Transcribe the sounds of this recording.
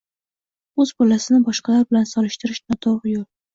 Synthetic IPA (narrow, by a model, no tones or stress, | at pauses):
ɵz̥bɒlasɪnɪbɒʃqɑlaɾbɪlansɒlˠɪʃt̪ɪɾɪʃnɒt̪ʰɒʁjol